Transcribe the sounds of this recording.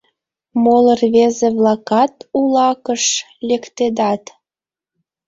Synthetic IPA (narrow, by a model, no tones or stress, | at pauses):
molərβezeβlɑkɑt̪ulɑkəʃ | lʲekt̪ed̪ɑt̪